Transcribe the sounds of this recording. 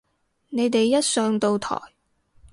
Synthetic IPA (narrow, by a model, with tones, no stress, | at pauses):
ne˨˧jt̪e˨jːɐ˥t̚sœː˨˧ŋt̪o˧wt̪ʰɔ̰ː˨˩j